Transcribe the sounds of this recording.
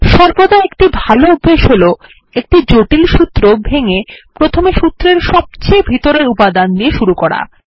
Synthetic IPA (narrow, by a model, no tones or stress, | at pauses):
ʃɔɾbod̪aekʈibʱaloubːeʃɦolo | ek̚ʈid͡ʑoʈilʃut̪ːɾobʱeŋepɾot̪ʰomeʃut̪ːɾeɾʃɔb̚t͡ɕebʱit̪oɾeɾupad̪and̪ieʃuɾukɔɽa̰